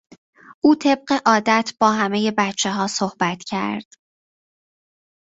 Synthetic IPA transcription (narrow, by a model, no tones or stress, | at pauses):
ʔuːt̪ʰe̞b̚ɢe̞ʔɒːd̪æt̪ʰb̥ɒːɦæmeje̞bæt̪t͡ʃʰːe̞ɦɒːsohbæt̪ʰcʰæ̰ɾd̪̥